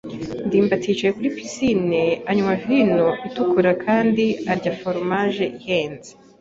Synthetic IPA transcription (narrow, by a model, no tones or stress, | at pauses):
ndiːmbatʰit͡ʃajekuɾipisineaɲumavino̞ʔitukuɾakʰaːndiaɾɟafo̞ɾmaːʒe̞ʔiheːnze̥